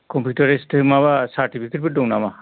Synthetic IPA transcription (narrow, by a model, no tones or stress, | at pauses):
kɔmpʰjutaɾestʰmaβasaɾtipʰiket̚bet̚dɔŋnama